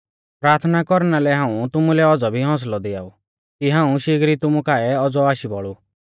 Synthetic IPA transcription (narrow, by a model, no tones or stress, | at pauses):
pɾaːɾt̪ʰnakɔɾnalɛɦãːũt̪ʊmulɛɔd͡zɔbʱiɦɔ̃ːs̬lɔd̪ɪa̰ːu | kiɦãːũʃɪɡɾit̪ʊmukaːɛɔd͡zɔaːʃibɔɭu